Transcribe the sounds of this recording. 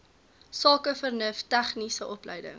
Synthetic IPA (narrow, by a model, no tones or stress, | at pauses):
sɑːkəfərnəftæχnisəʔɔplə̰jdə̰ŋ